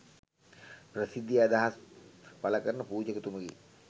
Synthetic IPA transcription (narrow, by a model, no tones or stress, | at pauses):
prəsid̪ːjiad̪aɦaspaləkəɾənəpuːd͡ʒəkət̪uməɡḛ